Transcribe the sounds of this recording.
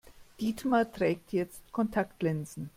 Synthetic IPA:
d̥iːtmatʁ̥ɛːk̚tʰjɛt͡stkʰɔntʰaktʰlɛnzn̩

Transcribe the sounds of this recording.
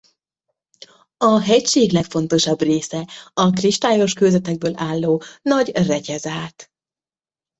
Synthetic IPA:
ɒɦɛcʃeːɡlɛkfo̞n̪t̪o̞ʃɒbreːsɛɒkriʃt̪aːjo̞ʃkøːzɛt̪ɛɡ̚bøːlʔaːlːoːnɒɟrɛcɛzaːt̪

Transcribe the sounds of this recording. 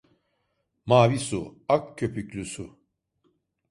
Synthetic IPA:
maːvisuakcʰːøpʰyclʲysu

